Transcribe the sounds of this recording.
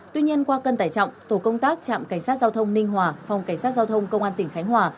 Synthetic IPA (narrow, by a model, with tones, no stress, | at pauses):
t̪wi˧ɲi˧ənkwaː˧kə˧nt̪aː˧˩jt͡ɕɔ̰˧˨wŋ͡mt̪o˧˩kə˧wŋ͡mt̪aː˦˥k̚t͡ɕa̰ː˧˨mka˧˩jŋ̟saː˦˥t̚zaː˧wt̪ʰə˧wŋ͡mnï˧ŋ̟ɦwaː˨˩fa˨˩wŋ͡mka˧˩ŋ̟saː˦˥t̚zaː˧wt̪ʰə˧wŋ͡mkə˧wŋ͡mʔaː˧nt̪ï˧˩ŋ̟xa˨˦jŋ̟ɦwaː˨˩